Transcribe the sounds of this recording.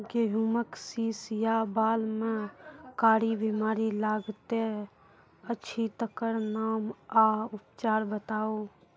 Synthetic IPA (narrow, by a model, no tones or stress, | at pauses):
ɡeɦuməksiːsjabaːlmẽkaːɽibimaːɾilaːɡt̪e | əːʃʰit̪əkəɾnaːmaʊpt͡ʃaːɾbət̪aːoː